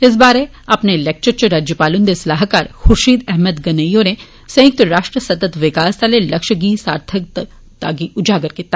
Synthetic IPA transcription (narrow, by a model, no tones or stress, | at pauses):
ɪs̬baːɾe | ɐpnelek̚t͡ʃəɾt͡ʃɐɾaːd͡ʒjəpaːlʊnd̪esɐlaːɦkaːɾxʊɾʃiːd̪ɛɦməd̪ɡɐnəjone | sɐjɪk̚t̪ɾaːʃʈɾəsɐt̪ət̪ʋɪkaːst̪alelɐkʃəɡiːsaːɾt̪ʰək̚t̪ | t̪aːɡiʊd͡ʒʱaːɡəɾket̪